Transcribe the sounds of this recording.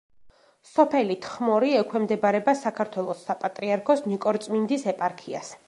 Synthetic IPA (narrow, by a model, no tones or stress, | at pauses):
sɔpʰɛlit̪ʰχmɔɾiɛkʰwɛmd̪ɛbaɾɛbasakʰaɾt̪ʰwɛlˠɔsːapʼat̪ʼɾiaɾkʰɔsnikʼɔɾt̪sʼmind̪isɛpʼaɾkʰia̰s